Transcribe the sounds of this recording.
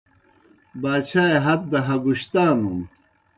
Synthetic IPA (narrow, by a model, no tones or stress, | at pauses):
baːɕaːeɦɐt̪̚d̪ɐɦɐɡuɕt̪aːnum